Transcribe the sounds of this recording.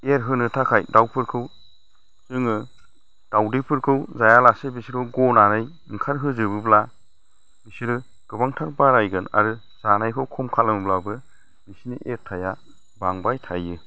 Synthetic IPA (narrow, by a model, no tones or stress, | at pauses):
eɾɦɯnɯtʰakʰajdawpʰɯɾkʰɯw | zɯŋɯ | d̥awdipʰɯɾkʰɯwzajalasebisiɾɯwɡɔnanɯj | ŋkʰaɾɦɯzɯbɯbla | bisiɾɯ | ɡ̥ɯbaŋtʰak̚baɾajɡɯna̰ɾɯ | z̥anajkʰɯwkʰɔmkʰalɯmɯblabɯ | bisiniʔeɾtʰaja | baŋbajtʰajːɯ